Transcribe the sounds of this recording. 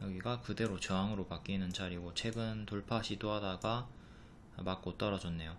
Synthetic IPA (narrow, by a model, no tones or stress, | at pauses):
jʌɡiɡakɯde̞ɾot͡ɕʌaŋɯɾopak͈inɯnt͡ɕaɾiɡot͡ɕʰe̞ɡɯntoɭpʰaɕʰitoɦadaɡa | mak͈ot͈ʌɾad͡ʑʌnːe̞jo